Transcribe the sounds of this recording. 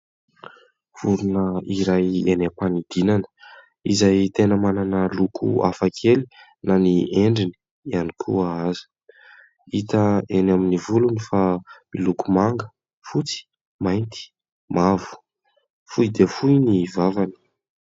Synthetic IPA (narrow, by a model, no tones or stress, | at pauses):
v̥uɾunəiɾajenepanid̪inanə̥ | izajt̪enəmananəlukʰṵa̰fakʰeli | nanieɳɖ͡ʐini̥ | ianikʰuaazi̥ | it̪əenaminivulunifamilukumaŋɡə̥ | fut͡si̥ | majnt̪i̥ | mavu̥ | fujd̪efujnivavani̥